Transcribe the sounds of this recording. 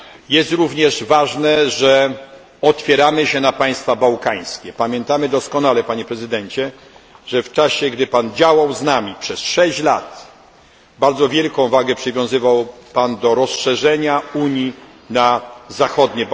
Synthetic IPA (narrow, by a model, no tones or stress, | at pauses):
jɛst̪ɾuvɲɛʐvaʐnɛʐɛ | ɔt̪fʲjɛɾamɘɕɛnapaj̃st̪fabawkaj̃skʲɛpamʲjɛnt̪amɘd̪ɔskɔnalɛpaɲɛpɾɛzɘd̪ɛɲt͡ɕɛ | ʐɛft͡ʂaɕɛɡd̪ɘpand͡ʑawawznamʲipʂɛsʂɛɕt͡ɕlat̪ | baɾd̪zɔvʲjɛlkɔ̃w̃vaɡɛpʂɘvʲjɔ̃w̃zɘvawpand̪ɔɾɔsʂɛʐɛɲauɲi | nazaxɔd̪ɲɛ